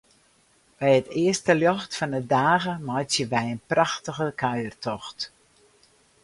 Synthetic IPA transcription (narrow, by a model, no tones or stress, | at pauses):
b̥ɛjətɪəstəljɔxtfɔndədaːɣəmɔjtjəʋɛjənpraxtəɣəkʰaɥərtʰɔxt